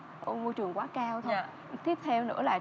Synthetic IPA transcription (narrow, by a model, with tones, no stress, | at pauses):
ɔ˧mo˧jt͡ɕɨ˨˩əŋkwaː˨˦kaː˧wt̪ʰə˧ | t̪i˦˥əp̚t̪ʰɛ˧wnɨ̰˧˥laː˨˩